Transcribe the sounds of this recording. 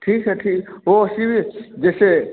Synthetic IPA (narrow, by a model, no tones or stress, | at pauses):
ʈʰiːkɦɛʈʰiːkɦoɐsibʱid͡ʒeːse